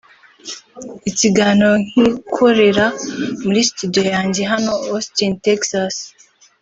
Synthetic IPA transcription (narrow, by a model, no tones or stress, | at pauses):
itiɡanoŋikʰoɾeɾamulistudojand͡ʒiɦanoostinteksas